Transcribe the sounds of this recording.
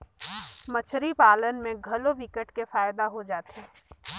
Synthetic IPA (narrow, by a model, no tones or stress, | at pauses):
mɐt͡ʃʰɾipaːlənmẽɡʱɐloʋɪkəʈkefaːɪd̪aɦod͡ʒaːt̪eː